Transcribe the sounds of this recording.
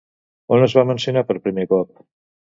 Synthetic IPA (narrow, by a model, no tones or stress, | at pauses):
onəzβamənsiunapəɾpɾimekɔp̚